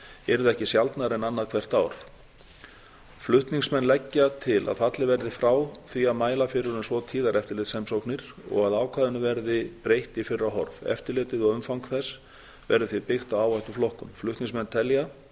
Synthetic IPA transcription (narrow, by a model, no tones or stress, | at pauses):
ɛɾʏðɛhcɪsjalt̪naɾɛnanːaðkʰvɛr̥t̪aːwɾ̥ | flʏht̪niŋsmɛnːlɛcːat̪ʰɪlʔa̰ðfat̪lɪvɛɾðɪfɾaːwθviaðmaːjlafɪɾʏɾʏmsvɔt̪ʰiːðaɾɛft̪ɪɾlɪːt̪sɛmsowknɪɾ̥ | ɔ̰ɣaðaːwkʰvaːðʏnʏvɛɾðɪpɾejht̪ɪfɪɾɪɾaɦɔɾvɛ̰ft̪ɪɾlɪːt̪ɪðɔɣʏmfawŋkθɛs | vɛɾðʏθvipɪxt̪awaːwvajt̪uflɔhkʏmflʏht̪niŋsmɛnːt̪ʰɛlja